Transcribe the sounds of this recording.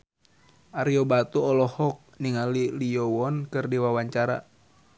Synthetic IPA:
ʔaɾiɔbat̪uɔlɔhɔk̚niŋaliliɔwɔnkɨrdiwawaɲt͡ʃaɾa̰

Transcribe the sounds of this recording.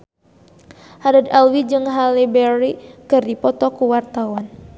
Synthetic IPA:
hadad̪alwid͡ʒɨŋɦalibɛɾikɨrdipɔt̪ɔkuwart̪awan

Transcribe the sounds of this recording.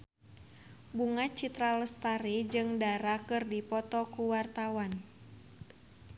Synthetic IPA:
buŋat͡ʃit̪ɾaləst̪aɾid͡ʒɨŋdaɾakɨrdipɔt̪ɔkuwart̪awan

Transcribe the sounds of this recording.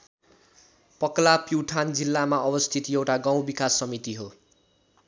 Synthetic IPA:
pʌklapiwʈʰand͡zilːamaʌbʌst̪ʰit̪jewʈaɡãw̃bikasːʌmit̪iɦo

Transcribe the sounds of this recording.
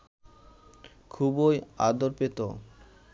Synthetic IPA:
kʰuboja̰d̪oɾpet̪o̰

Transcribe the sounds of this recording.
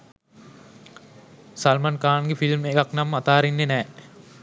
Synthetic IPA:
salmankaːnɡefilmekaknamat̪aːɾinːenɛː

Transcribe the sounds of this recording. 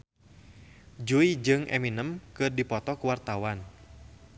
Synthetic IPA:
d͡ʒuid͡ʒɨŋʔɛ̰minəmkɨrdipɔt̪ɔkuwart̪awan

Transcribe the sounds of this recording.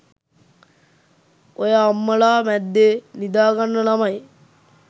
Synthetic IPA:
ojaːmːəɭaːmɛd̪ːenid̪aːɡanːənamaj

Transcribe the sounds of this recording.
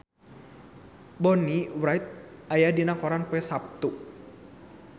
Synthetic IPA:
bɔniwɾajt̪̚ajadinakɔɾanpɛsap̚t̪u

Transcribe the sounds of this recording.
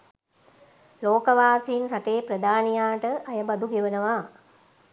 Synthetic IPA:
loːkəʋaːsiːnɾaʈeːpɾəd̪ʱaːnijaːʈəʔajəbɐd̪uɡeʋənəʋa

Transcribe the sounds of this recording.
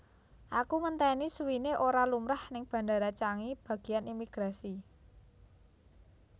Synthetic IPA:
ʔakumənt̪ɛnisuwineʔoɾalumɾahnɪŋb̥ä̤ɳdaɾat͡ʃaŋib̥ä̤ɡ̥i̤janimiɡ̥ɾasi

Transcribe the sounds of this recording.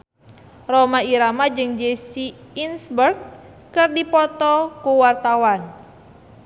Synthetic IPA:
romaiɾamad͡ʒɨŋd͡ʒesi | insbərɡ̚ | kɨrdipɔt̪ɔkuwart̪awan

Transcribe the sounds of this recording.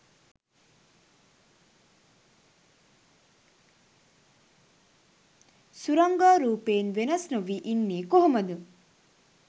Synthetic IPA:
suɾɐŋɡaːɾuːpeːnʋenɐsnuʋiʔinːeːkoɦomɐd̪u

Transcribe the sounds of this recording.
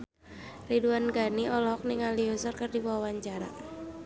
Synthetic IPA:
riduanɡaniʔɔlɔɦɔk̚niŋaliɔsɔrkɨrdibuawaɲt͡ʃaɾa̰

